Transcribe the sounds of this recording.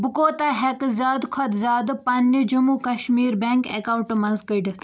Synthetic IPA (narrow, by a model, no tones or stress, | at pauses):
bukoːt̪aɦekzaːd̪kʰɐd̪zaːd̪pɐnːid͡ʒumukɐʃmiːɾbeŋkekawɳʈmɐnzkəɖt̪